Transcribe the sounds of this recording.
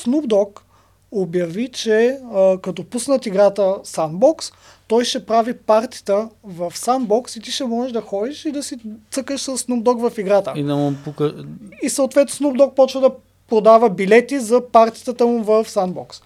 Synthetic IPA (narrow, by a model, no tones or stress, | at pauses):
snubd̪ɔk | objɐvit͡ʃɛkɐt̪ɔpusnət̪iɡɾat̪əsanbɔks | t̪ɔjʃɛpɾavipaɾt̪i̥t̪əvɐfsanbɔksit̪iʃɛmɔʒɛʒd̪ɐxɔd̪iʃid̪ɐsit̪sɤkəʃsəsːnub̚d̪ɔkvɐfiɡɾat̪əinɐmpukəisɐot̪vɛt̪nosnub̚d̪ɔk̚pɔt͡ʃvəd̪ɐ | pɾod̪avəbilɛt̪izɐpaɾt̪i̥t̪ət̪əmuvɐfsanbɔks